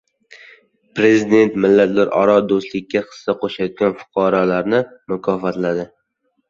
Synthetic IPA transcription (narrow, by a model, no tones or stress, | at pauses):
pɾe̞zid̪e̞nt̪mɪlːat̪laɾʔɒ̰ɾɒd̪ost̪lɪkʲːaqʰɨ̥ssaqʰoʃajt̪̚ɡʲanfʊ̥qʰɒɾɒlaɾnɪmʊkʰɒfat̪lad̪ɪ